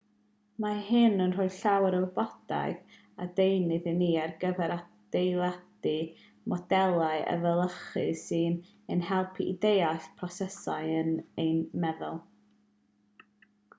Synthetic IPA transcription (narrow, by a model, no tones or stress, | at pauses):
mahɨnənrʊɨɬawɛɾəlˠbɔd̥a̰ɨɡ | adejnɨðɨniːarɡəvɛɾad̥ejlˠad̥ɨ | mɔdɛlˠaɨʔə̰vəlˠəχɨsɨːn | ənhɛlˠpʰḭːdejaɬpʰrɔsɛsaɨənejnmɛðʊlˠ